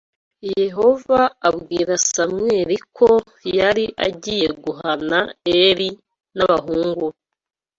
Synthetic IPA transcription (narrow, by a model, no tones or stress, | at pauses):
je̞ɦo̞vaaβɡiːɾasamŋe̞ːɾikʰo̞ | jaɾiʔa̰ɟiːje̞ɡuɦanaeɾi | naβaɦuːŋɡu